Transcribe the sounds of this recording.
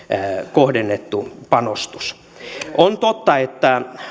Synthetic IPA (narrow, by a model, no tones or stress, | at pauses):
kohdenːet̪ːupɑnost̪u̥s | ont̪ot̪ːɑet̪ːæ